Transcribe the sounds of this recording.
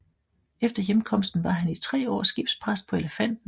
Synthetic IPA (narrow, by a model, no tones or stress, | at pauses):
efd̥ɐjemkʰɒ̽m̰sd̥n̩ʋɑ̈ɦænit͡sʰʁɛ̰ːɒ̰ːsɡ̥ib̥spʰʁas̚pʰɒ̽e̝ləfæn̰d̥n̩